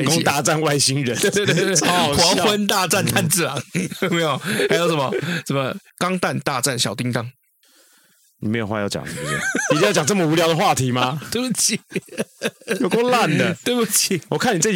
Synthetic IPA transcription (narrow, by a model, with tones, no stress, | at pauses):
ko˥˦ŋt̪a˥˧t͡sa˥˨nwa˥˧ɪɕi˦ŋɻə˨˦n˥˧e˧xwɑ˧˦wə˦nt̪a˥˧t͡sa˥˧nt̪ʰa˥˧nt͡sɹ̩˥˨lɑ̰˨˦ŋo˥˩me˦˥jo˨˩a˧˥ɪjo˧˦ʊʂə˨˩nmə˨sə˨˩nmə˨ | kɑ˦ŋt̪a˥˨nt̪a˥˧t͡sa˥˨˩nɕjɑ˨˩ʊt̪i˦ŋt̪ɑ˦ŋ | ni˨˩me˧˥˦jwa˧jɑ˥˩t͡ɕjɑ̰˨˩ŋi˨˩u˨˩ɛ̰˩i˨t̪i˥˧jt͡ɕjŋt͡sə˥˩mə˨u˧˥ljɑ˧ʊd̪ə˦xwa˥˨t̪ʰi˨˧˦ma˦t̪t͡ɕʰi˧˩ | jo˨˩kko˥˧la˥˨nd̪ə˨t̪we˥˩ɪpu˨˩t͡ɕʰi˨˩wɔ˨˩kʰa˥˩ni˨t͡sə˥˨